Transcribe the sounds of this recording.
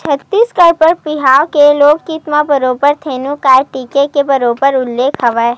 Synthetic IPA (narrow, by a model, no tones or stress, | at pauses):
t͡ʃʰət̪ːiːskəɾpəɾpɪɦaːwkeloːɡkit̪mabɐɾoːbəɾt̪ʰeːnũkaːjʈiːkekebɐɾoːbəɾʊlːeːkʰɐʋɛ